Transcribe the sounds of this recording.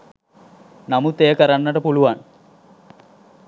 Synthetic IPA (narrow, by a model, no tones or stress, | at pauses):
namut̪eːəkəɾanːəʈəpuluʋan